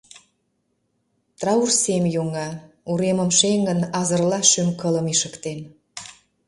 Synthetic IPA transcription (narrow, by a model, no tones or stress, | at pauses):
t̪rɑursemjoŋɑ | uɾeməmʃeŋɡə̆nɑzə̆rlɑʃymkələmiʃəkt̪en